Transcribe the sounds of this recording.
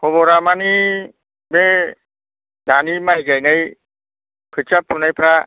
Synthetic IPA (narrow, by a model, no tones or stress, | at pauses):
pʰoboɾamani | be | danimajɡajnɯj | pʰɯt͡ʃʰapʰːunajpʰɾa